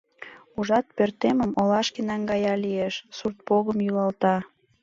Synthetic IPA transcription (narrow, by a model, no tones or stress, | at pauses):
uʒɑt̪̚pørt̪eməmolɑʃkenɑŋɡɑjɑlieʃsurt̪̚poɣəmjylɑlt̪ɑ